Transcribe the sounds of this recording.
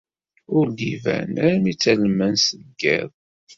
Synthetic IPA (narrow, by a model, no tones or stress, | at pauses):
ʊɾd̪ivæ̰næɾmit͡sːælmːənsəðɡːɪ̰ðˤ